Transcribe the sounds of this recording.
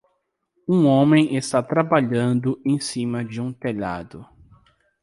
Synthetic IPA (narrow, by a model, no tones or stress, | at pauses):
ũõmẽj̃est̪at̪ɾabaʎɐ̃nd̪ʊẽj̃sĩmɐd͡ʒɪũt̪eʎa̰d̪ʊ